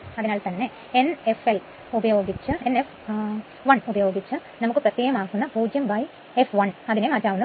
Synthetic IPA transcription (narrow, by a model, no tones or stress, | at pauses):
ɐðinaːlt̪ɐnːe̞ | enefel | ubɐjo̞ːɡit͡ɕːɨenef | ʋɐɳubɐjo̞ːɡit͡ɕːɨnɐmukːɨpɾɐt̪ːjeːjɐmaːɣunːɐbuːd͡ʒjɐmbɐj | efʋɐɳɐðinemad͡ʑaːʋunːɐ